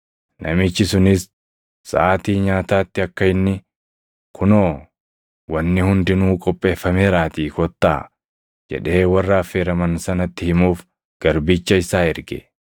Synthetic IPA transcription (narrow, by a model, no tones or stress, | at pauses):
nʔɐ̰mɪt͡ʃːɪsʊnɪsː | ɐ̰ʔaːt̪iːɲaːt̪aːt̪ːɪɐkːɐɪnːɪ | kʰʊnoː | wɐnːɪhʊnd̪ɪnuːkʼɔpʼːe̞ːfːɐmeːɾaːt̪iːkɔt̪ːa̰ː | d͡ʒɛ̰ᶑe̞ːwɐrːaːfːeːɾɐmɐnsɐnɐt̪ːɪhɪmuːf | ɡ̥ɐɾbit͡ʃːɐɪsaːɪɾɡɛ̰